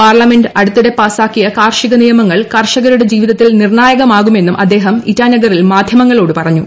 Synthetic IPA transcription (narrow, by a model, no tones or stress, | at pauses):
paːrlɐme̞nɖɐɽut̪ːiɽe̞paːsaːkːijɐkaːrʂiɣɐnijɐmɐŋːɐɭkɐrʂɐɣɐɾuɽe̞d͡ʑiːʋiðɐt̪ːilnirɳaːjɐɣɐmaːɣume̞nːumʔɐ̰d̪ːe̞ːɦɐmitːaːnːɐɣɐrilmaːd̪ʱjɐmɐŋːɐɭo̞ːɽɨpɐrɐɲːu